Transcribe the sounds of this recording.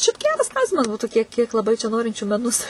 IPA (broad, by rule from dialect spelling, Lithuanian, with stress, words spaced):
ʃʲɛɪp ˈɡʲæːrɐs ˈklˠɐʊsʲɪmɐs ˈbuːtuː ˈkʲiɛk ˈkʲiɛk lˠɐˈbɐɪ t͡ʃʲɛ ˈnoːrʲɪnʲt͡ʃʲuː mʲɛˈnʊs